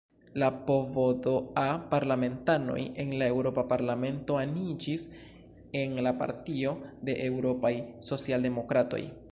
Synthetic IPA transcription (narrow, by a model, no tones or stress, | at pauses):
lapo̞vodoapaɾlame̞ntano̞̰je̞nlae̞wɾo̞papaɾlame̞nto̞anid͡ʒis | e̞nlapa̰ɾtio̞de̞ʔe̞wɾo̞pajso̞t͡sialde̞mo̞kɾato̞̰j